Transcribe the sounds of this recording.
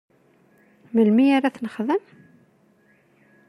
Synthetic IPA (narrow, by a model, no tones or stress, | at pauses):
məlmiaɾaθnəχðən